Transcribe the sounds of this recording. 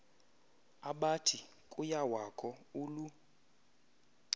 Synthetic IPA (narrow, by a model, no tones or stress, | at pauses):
aɓatʰi | kʼujawakʰɔulu